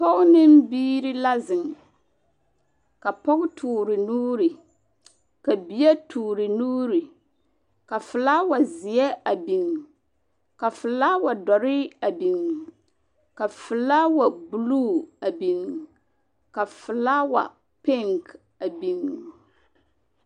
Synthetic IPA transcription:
pɔ˦ɡnɪ˦m˦biː˦ɾɪ˦la˦zɪ˨ŋ | ka˨pɔ˦ɡʊ˦tʰuː˨ɾɪ˨nuː˦ɾi˨ | ka˨bi˨jɛ˦tʰuː˨ɾɪ˨nuː˦ɾi˨ | ka˨fɨ˨la˦wa˨zɪ˨ɛ˦a˨bi˨ŋ˨ | ka˨fɨ˨la˦wa˨dɔ˨ɾɪ˦a˨bi˨ŋ˨ | ka˨fɨ˨la˦wa˨bu˨luː˦a˨bi˨ŋ˨ | ka˨fɨ˨la˦wa̰˨ | pe˦˨ŋk | a˨bi˨ŋ

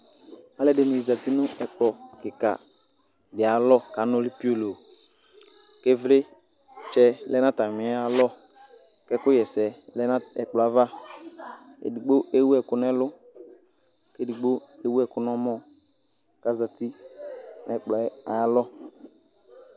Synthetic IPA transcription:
a˦lɛ˦dɪ˨˦nʊ˨i˨za˨ti˦nʊ˦ɛ˦k͡plɔ˨kɪ˨ka̰˨ | dɪ˨a˨lɔ˦ka˨˦nʊ˦lɪ˦pi˦o˦lo˨ | ke˦vlɪ˦ | t͡ʃɛ˦lɛ˦na˦ta˨mɪ˨˦a˨˦lɔ˦ | kɛ˦kʊ˦jɛ˨sɛ˨˦ | ɛ˨k͡plɔ˨a˦va˦ | ḛ˨di˨ɡ͡bo˦e˦wu˦ɛ˨kʊ˨˦n˦ɛ˦lʊ˦ | ke˦du˨ɡ͡bo˦ | e˦wu˦ɛ˦kʊ˨˦nɔ˦mɔ˦˨ | ka˨˦za˨ti˦ | ɛ˨k͡plɔ˨ɛ˦a˨a˦lɔ˦

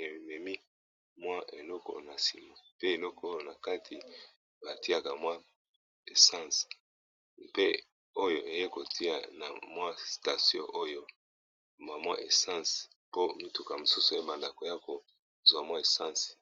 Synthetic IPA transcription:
e˨mɛ˨mi˦ | mwa˦e˨lɔ˦kɔ̰˨na˨si˨ma˨pe˦e˨lɔ˦ko˦jo˦˨na˨ka˦tʰi˨ | ba˨ti˦a˨ka˨mwa˦ | e˨sã˦˨s | pe˦ | o˦jo˨ʔe˨je˦ko˨tʰi˦a̰˨na̰˨mwa˦sta˨sjɔ̰̃˦ʔo˦jo˦ | ma˨mwa˦ʔe˨sã˦˨s | po˦mi˦tu˨ka˨mo˨su˦su˨e˦ba˨nda˨ko˨ja˦ko˨ | zwa˨mwa˦e˨sã˦˨s

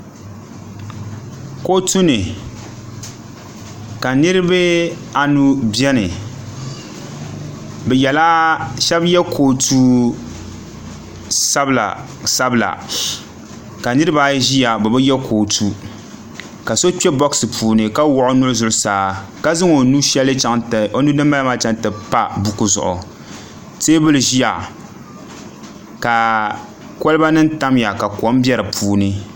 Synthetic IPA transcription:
ko˦tu˦nɨ˨ | ka˨nɨ˦ɾɨ˦bɨ˦ | a˨nu˦bjɛ˦nɨ˨ | bɛ˨jɛ˨la˦ʃɛ˦bjɛ˦kʰo˨tʰuː˦ | sa˦bla̰˨ | sa˦bla̰˨ | ka˨nɨ˦ɾɨ˦ba˦ʒi˦ja˨bɛ˨bɛ˦jɛ˦kʰo˨tu˦ | ka˨so˦t͡ʃɛ˦bɔ˦ksɨ˨pʰuː˨nɨ˨ka˦wɔ˦ʔʊ˦nʊ˦ʊ˦zʊ˦ʔʊ˦saː˨˦ka˦zɨ˦ŋo˨nu˦ʃɛ˦lɨ˦t͡ʃa˦ŋto˦nu˦nɨ˦mː˦a˦lma˦t͡ʃa˦ŋ˦tɨ˨pa˦bu˨ku˦˨zʊ̰˨ʔʊ̰˨ | teː˦bɨ˦lɨ˨ʒi˦ja˨ | ka˨ | kɔ˦lɨ˦ba˦nɨ˦n˦ta˦m˦ja˨ka˨ko˦m˦bɛ˦ɾɨ˨pʰuː˦nɨ˦

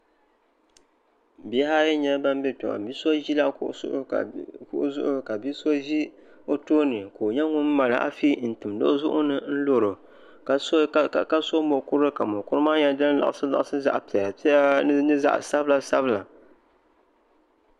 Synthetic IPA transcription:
bi˨˦ha˦jɛ˦ɲɛ˦ba˦m˦bɛ˦to̰˨a̰˨bi˦so˦ʒi˦la˦kʔsʔʊ̰˦˨kʊ̰˦ʔʊ˦zʊ̰˦ʔʊ˦ka˨bi˦so˦ʒi˦ | o˦toː˦nɨ˨ko˨ɲɛ˦ŋʊ˦m˦ma˨lɨ˨˦ʔa̰˦fi˦n̩˨tɨ˨mdo̰˦ʔzʊ̰˦ʔʊ˦nɨ˦n̩˦lo˨ɾo˨ | ka˨˦ka˦so˦mo˨kʊ˦ɾɨ˦ka˨mo˨kʊ˦ɾɨ˦maː˦ɲɛ˦dɨ˦lla̰˨ʔsɨ˦la̰˨ʔa˨sɨ˦za̰˦˨ʔpi˨ɛ˨ja˨pi˦ɛ˦nɨ˦za̰˦ʔsa˦bla˨sa˦bɨ˦la˨

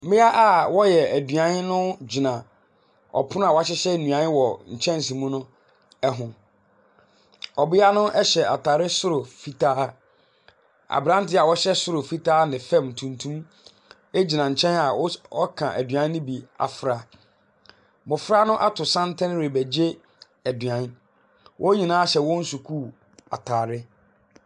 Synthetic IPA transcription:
mɪ̃˦a˦ʔa˨wɔ˦jɛ˨æ˨du˨ã˨n˦nʊ̃˦d͡ʑi˨nã˨ | ɔ̰˨pʰʊ̃˦n˦a˨wɔ˨˦a˦˨ɕ̬ɪ˦ɕɛ˦nũ˨ã˨˦nɪ̃˦wɔ˨ɲ̩˨t͡ɕʰɛ̃˦n˨sĩ˨mũ˦nʊ̃˦ | ɛ˦ɦʊ̃˨ | ɔ˨bɪ˦a˦nʊ̃˦ʔɛ˦ɕɛ˨a̰˨tʰa˨ɾɪ˦sʊ˦ɾo˨fi˦tʰaː˦ | a̰˨bɾã˦n˦tɪ˦a˨wɔ˦ɕɛ˦sʊ˦ɾo˨fi˦tʰaː˦nɪ̃˨fɛ̃˦˨mtʰũ˨ntʰũ˦m | e˦d͡ʑi˨nã˨ɲ̩˨t͡ɕʰɛ̃˦na˨˦ɔ˦kʰã˨ʔæ˨dɥã˦n˦nɪ̃˦bi˨a̰˨fɾa˦ | mʊ̃˨fɾa˦nʊ̃˦ʔa˦tʰʊ˨sã˦ntʰɪ̃˦n˦ɾe˨bæ˨d͡ʑe˦ | æ˨dɥã˨˦n | wʔɔ˦ɲĩ˨nãː˦a˦ɕɛ˨wɔ̃˦n̩˦su˨kʰu˦˨ | a̰˨tʰaː˨ɾɪ˦

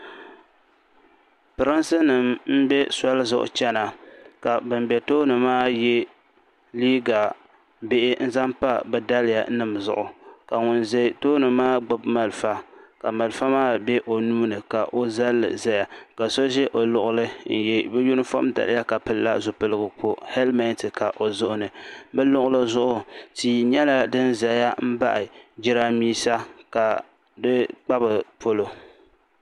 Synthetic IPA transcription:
pɨ˨ɾɨ˦nsɨ˦nɨ˨mm̩˦bɛ˦sa˦lɨ˦zʊ̰˨ʔʊ̰˨t͡ʃɛ˦na˨ka˨bɨ˨mbɛ˨toː˦nɨ˨maː˦jɛ˦ | liː˦ɡa˨ | be˦ʔɪ˦n̩˦za˦mpa˦bɨ˦da˦lɪ˦ja̰˨˦nɨ˨mzʊ̰˨ʔʊ˨ka˨ŋʊ˨nze˦˨toː˦nɨ˨maː˦ɡ͡ba˦bma˨lfa˦ka˨ma˨lfa˦maː˦bɛ˦ʔo˨nuː˦nɨ˨ka˨ʔo˦za˦lːɨ̰˨za˦ja˨ka˨so˦ʒɛ˦ʔo˨lʊ˨ʔʊ˦lɨ˦n̩˨jɛ˨bɛ˦ju˦nɨ˦fo̰˦mda̰˨l̰ja˦ka˨pɨ˦lːa̰˦zʊ˨pɨ˦lɨ˦ɡɨ˨k͡po˦hɛ˦lmɛ˦ntɨ˨ka˨ʔo˨zʊ˦ʔʊ˦nɨ˨bɨ˦lʊ˦ʔʊ˦lɨ˦zʊ˦ʔʊ˨tiː˨ɲɛ˦la˨dɨ˦nza˨˦ja˦m̩˦ba̰˦ʔɪ˨d͡ʒɪ˦ɾa˦miː˦sa˦ka˨ | dɨ˦k͡pa˦bɨ˨pʰo˦lo˨

